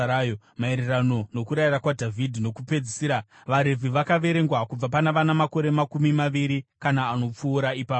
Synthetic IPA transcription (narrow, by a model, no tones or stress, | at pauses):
ajo | mae̞ɾerano̞no̞kuɾairakwadʱavʱidʱino̞kupe̞d͡zisiːɾa | ʋaɾe̞vʱiʋakaʋe̞ɾe̞ŋɡwakub͡vapanaʋanamako̞ɾe̞makumimaʋiɾikanaːno̞p͡fuːɾaipaːo